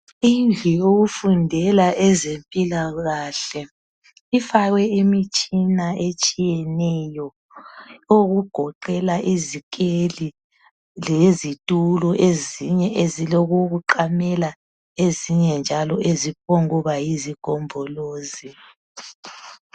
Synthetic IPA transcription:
ind͡ɮʱioɣufundʱɛlaɛzempʼilaɣaɬɛ | ifaɣwɛimit͡ʃʼinaʔet͡ʃʼijɛnɛjɔ | oɣuɡ̥ʱɔǃɛlaʔizikʼeli | lezitʼulɔʔeziɲɛʔeziloɣuɣuǃamɛla | eziɲɛnd͡ʒʱalɔʔezip̚ʰɔŋuβajiziɡ̥ʱɔmbʱɔloːzi

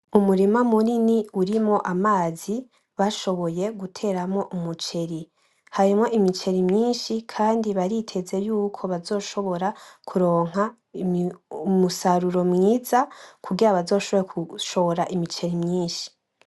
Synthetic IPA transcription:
umuɾimamuniniuɾimŋo̞ʔamaːzi | βaʃo̞βo̞je̞ɡutʰe̞ːɾamŋo̞ʔumut͡ʃe̞ɾi | haɾimŋo̞ʔimit͡ʃe̞ɾimɲiːnʃikʰaːndiβaɾitʰe̞ze̞juːkʰo̞βazo̞ːʃo̞βo̞ɾakʰuɾo̞ːŋ̥ɦa | musaɾuɾo̞mŋiːz̥akʰuɡiɾaβazo̞ːʃoβojekʰuʃo̞βoɾaʔimit͡ʃe̞ɾimɲiːnʃi̥

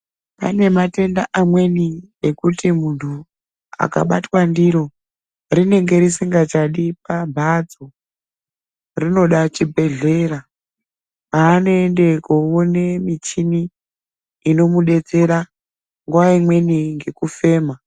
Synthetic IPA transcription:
pa̰ne̞mate̞ndaʔamwe̞ni | ekutimuntʰu | a̰ka̰ɓatwandiɾo̞ | rine̞ŋɡe̞ɾisiŋɡat͡ʃaɗipabʱad͡zo | rino̞ɗat͡ʃibʱe̞ɮe̞ra | paːnoende̞koone̞mit͡ʃiniː | no̞muɗe̞t͡se̞ɾa | ŋɡuwaimwe̞niŋɡe̞kufe̞ːma

